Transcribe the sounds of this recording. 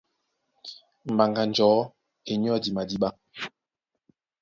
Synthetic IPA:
m̩˨ba˨ŋɡa˨nd͡ʒɔː˨˦ | e˨ɲ˦ɔ˦di˨ma˨di˦ɓa˦

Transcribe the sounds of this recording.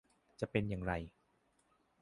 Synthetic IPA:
t͡ɕa˨˩pe˧njaː˨˩ŋɾa˧j

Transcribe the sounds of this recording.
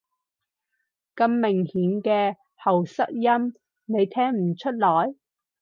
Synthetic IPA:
kɐ˧mːɪ˨˩ŋhiː˨˥nkɛː˧ | hɐ˨˩wsɐ˥k̚jɐ˥m | ne˨˧jt̪ʰɛː˥ŋm̩˨˩t͡ʃʰɵ˥t̚lɔː˨˩j

